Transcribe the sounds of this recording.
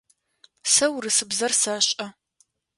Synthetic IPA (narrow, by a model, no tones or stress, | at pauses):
sɐwrɨsɨbzɐrsaːɕʼɐ